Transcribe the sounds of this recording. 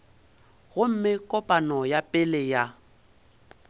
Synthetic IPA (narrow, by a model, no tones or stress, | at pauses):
ɣʊm̩mɪkʼɔpʼanɔjapʼɪlɪja